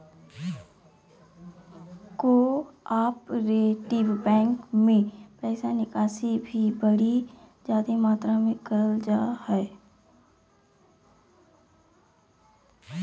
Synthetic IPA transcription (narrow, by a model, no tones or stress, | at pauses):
koaːpɾeʈiʋbɛ̃ːŋkmẽpɛːsanɪkaːsibʱibəɽi | d͡ʒaːd̪emaːt̪ɾamẽkəəld͡ʒaːhɛ